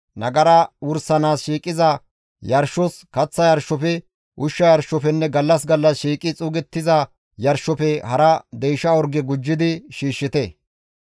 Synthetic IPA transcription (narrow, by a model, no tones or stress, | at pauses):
nɐɡɐɾɐwʊɾsɐnaːsʃiːkʼɪzɐ | jɐɾʃɔskɐt͡sːɐjɐɾʃːɔpɛ | ʔʊʃːɐjɐɾʃɔpɛnːɛɡɐlːɐs̬ɡɐlːɐsʃiːkʼɪt͡sʼʊːɡɛt̪ːɪzɐ | jɐɾʃɔpɛhɐɾɐd̪ɛjʃɐɔɾɡɛɡʊd͡ʒːɪd̪ɪʃiːʃːɪt̪ɛ